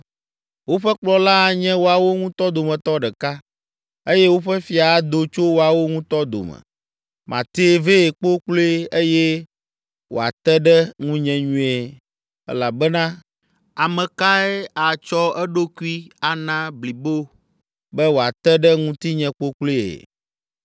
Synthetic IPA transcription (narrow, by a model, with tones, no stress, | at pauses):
wo˦ɸɛ˦k͡plɔ˦la˦˨ɲɛ̃˦wo˨˦a˨wo˦ŋũ˦t̪ɔ˦d̪o˨mɛ̃˨t̪ɔ˦ɖɛ˨ka˦ | e˦je˦wo˦ɸɛ˦fi˨a˨˦d̪o˨t͡ʃo˦wo˨a˨wo˦ŋũ˦t̪ɔ˦d̪o̰˨mɛ̰˨ | mʔã̰˨t̪e˦ve˦e˨k͡po˦k͡ple˦e˦jɛ˦ | wo̰˨a̰˨t̪ɛ˦ɖɛ˦ŋũ˦ɲɛ̃˨ɲũ˦e˨ | ɛ̰˦la˨bɛ˦nã˦ | a˨mɛ̃˨ka˦ɛ˦a˨t͡ʃɔ˦ɛ˦ɖo˦ku˦i˦a˨nã˦bli˨bo˦ | bɛ˦wo˨a˨t̪ɛ˦ɖɛ˦ŋũ˦t̪i˦ɲɛ̃˦k͡po˦k͡ple˦ḛ˨